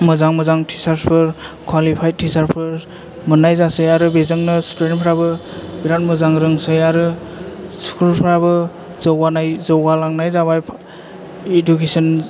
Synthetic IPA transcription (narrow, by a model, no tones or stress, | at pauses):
mɯzaŋmɯzaŋtʰisaɾspʰɯɾkʰwalipʰajtʰisaɾpʰɯɾ | mɯnːajzasɯjaɾubezɯŋnɯstuenpʰɾabɯbiɾat̚məzaŋɾɯŋsɯjaɾɯ | skʰulpʰɾabɯ | zɔwɡanajzɔwɡalaŋnajzabajpʰ | edukesɔn